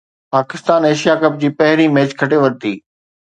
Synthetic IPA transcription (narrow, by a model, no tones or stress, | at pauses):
paːkɪst̪aːneːʃijakɐp̚d͡ʑiːpɐɦɪɾimeːd͡ʑkʰɐʈeʋɐɾt̪iː